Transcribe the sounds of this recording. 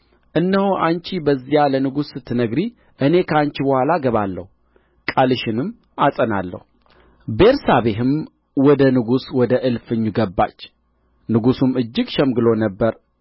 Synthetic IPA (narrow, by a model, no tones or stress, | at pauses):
ʔɨnːəhoʔant͡ʃibəzːijalənɨɡusɨt̪ʰːɨnəɡɾi | ʔɨne̞kʰaɲt͡ʃibəhʷalaɡəβalːə̰hu | kʼalɨʃɪnɨmː | asʼəna̰lːə̰hu | be̞ɾsaβeɦɨm | wɔd̪ənɨɡuswɔd̪əʔɨlfɨɲːuɡəbːa̰t͡ʃː | nɨɡusumɨd͡ʒːɪɡʃɛmɡɨlo̞nəbːəɾ